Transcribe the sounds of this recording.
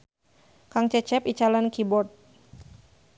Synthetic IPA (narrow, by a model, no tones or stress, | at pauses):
kaŋt͡ʃɛt͡ʃɛpit͡ʃalankibɔt̪̚